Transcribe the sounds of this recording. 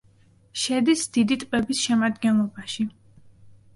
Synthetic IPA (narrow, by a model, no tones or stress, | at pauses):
ʃɛd̪isd̪̥id̪it̪ʼqʼɛbisʃɛmad̪ɡɛnlˠɔbaʃi